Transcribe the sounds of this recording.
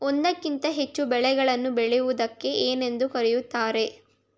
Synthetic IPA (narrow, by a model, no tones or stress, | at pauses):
ond̪ɐkːint̪ɐɦe̞t͡ʃːubɛɭɛɡɐɭɐnːubɛɭɛjuʋud̪ɐkːe̞ʔeːne̞nd̪ukɐɾɛjut̪ːaːɾe̞